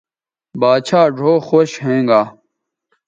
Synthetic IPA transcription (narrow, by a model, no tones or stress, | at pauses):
baːt͡ɕʰaːɖʱoːxoɕɦẽːŋɡaː